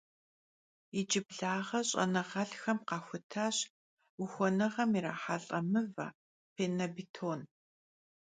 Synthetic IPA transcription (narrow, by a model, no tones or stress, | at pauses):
id͡ʒɪbɮaːʁɐɕʼɐ̰nɐʁɐɬxɐmqɑːxʷʊtʰaːɕ | ʊxʷɔnɐʁɐmiɾa̰ːħaɬʼɐmɨva̰ | pʰeːnɐbitʰoːn